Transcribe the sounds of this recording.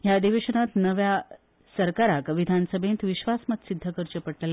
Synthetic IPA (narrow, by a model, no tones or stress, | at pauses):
jad̪iʋeɕəñat̪nəʋja | səɾkaɾakʋid̪ʱansəbʱẽnt̪ʋiɕʋasmət̪sid̪ʱːəkəɾt͡ɕəpəɽləle